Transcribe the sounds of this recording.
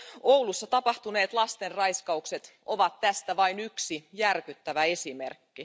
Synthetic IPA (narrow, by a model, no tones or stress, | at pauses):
owlusːɑt̪ɑpɑht̪une̞ːt̪lɑst̪e̞rrɑjskɑukse̞t̪ʔo̞ʋɑt̪tːæst̪æʋɑjnyksijærkyt̪ːæʋæe̞simerkːi